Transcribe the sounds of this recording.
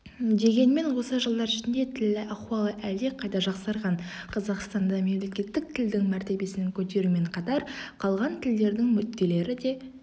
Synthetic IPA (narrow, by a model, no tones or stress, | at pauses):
d̪e̞ɡʲe̞nme̞nwo̞səʒəlˠd̪ɑɾɪʃɪnd̪e̞t̪ʰɪlːɪʔɑqwɑlˠəʔæld̪eqʰɑjt̪ɑʒɑqsɑɾʁɑɴqʰɑzɑqst̪ɑnd̪ɑme̞mle̞kʲe̞t̪ːɪk̚t̪ʰɪld̪ɪŋmæɾt̪e̞be̞sɪnɪŋkʲʰɵt̪e̞ɾume̞ɴqʰɑt̪ɑɾqʰɑlˠʁɑnt̪ʰɪld̪e̞ɾd̪ɪŋmʏt̪ːe̞le̞ɾɪd̪e̞